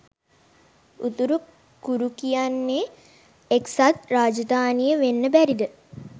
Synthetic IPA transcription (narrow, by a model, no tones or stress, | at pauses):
ut̪uɾu | kuɾukijanːe | eksat̪raːd͡ʒəd̪aːnijəʋenːəbæɾid̪ə